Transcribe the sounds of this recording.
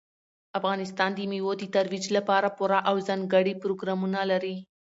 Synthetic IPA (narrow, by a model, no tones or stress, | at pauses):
afɣɑnɪst̪ɑnd̪əmiwod̪ət̪aɾwid͡ʒlapɑɾapʊɾaʔawzanɡaɽipɾoɡɾɑmunalaɾi